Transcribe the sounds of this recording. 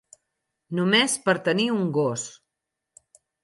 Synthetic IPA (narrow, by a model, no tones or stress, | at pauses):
numespəɾt̪əniuŋɡos